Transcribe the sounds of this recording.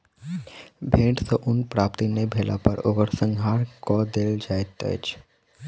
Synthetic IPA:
bʱẽːʈsoʔʊnpɾaːpt̪inebʱeːlʔa̰pəɾoɡəɾsə̃ŋɡʱɦaːɾkɔd̪eːld͡ʒaːet̪ə̰t͡ʃ

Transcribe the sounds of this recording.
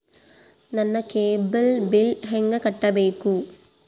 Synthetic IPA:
nɐnːɐkeːbɐlbilɦeŋɡɐkɐʈːɐbeːku

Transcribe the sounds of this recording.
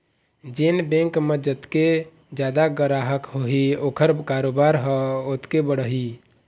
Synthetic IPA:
d͡ʒenbẽŋkməd͡ʒət̪ke | d͡ʒjad̪aɡəɾaɦəkɦoɦiokʰəɾkaɾobaɾɦəot̪kebəɽəɦi

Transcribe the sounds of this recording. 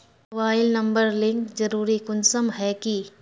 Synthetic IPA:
ʋaːɪlnɐ̃mbəɾlɪ̃ŋkzɐɾuːɾikʊnsəmɦɛki

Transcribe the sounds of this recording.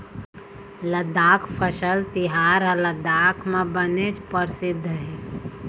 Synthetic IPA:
ləd̪ːaːkʰpʰəsəlt̪ɪɦaːɾləd̪aːkʰmẽbənet͡ʃpəɾsɪd̪ʱːɦɛ

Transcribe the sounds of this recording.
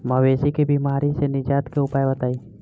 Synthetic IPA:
məweːsikebiːmaːɾisenɪd͡ʒaːt̪keʊpaːjbɐt̪aːiː

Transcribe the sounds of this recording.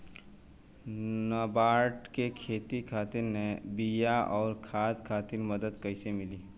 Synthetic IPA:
nəbaːɾʈkekʰeːt̪ikʰaːt̪ɪɾnebijaʔɔːɾkʰaːd̪kʰaːt̪ɪɾməd̪əd̪kəɪsemɪliː

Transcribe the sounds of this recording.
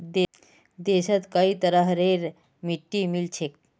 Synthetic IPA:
d̪e | d̪eɕat̪kaiːt̪əɾaɦəɾeɾ | miʈːimilt͡ɕʰek̚

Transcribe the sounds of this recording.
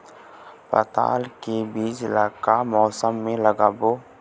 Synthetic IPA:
pə̰t̪a̰ːlkebiːd͡ʒɪlaːkamɔːsəmːẽləɡaːboː

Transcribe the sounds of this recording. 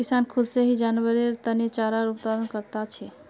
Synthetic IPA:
kisankʰʊd̪seɦid͡ʒanwəɾeɾt̪ənet͡ʃaɾaɾuppad̪ənkəɾt̪at͡ʃʰɛ

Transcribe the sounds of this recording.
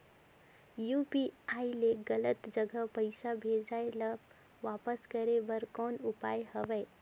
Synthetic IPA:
jupiaileɡələt̪d͡ʒəɡʱəpəjsabʱed͡ʒajləb | ʋapəskəɾeʋəɾkɔnupajhəʋeː

